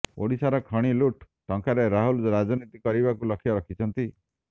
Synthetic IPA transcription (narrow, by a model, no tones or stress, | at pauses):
o̰ɽisaɾɔkʰɔɽ̃iluʈ | ʈɔŋkaɾeɾaɦulɾad͡ʒɔnit̪ikɔɾibakulɔkʰjɔɾɔkʰit͡ʃʰɔnt̪i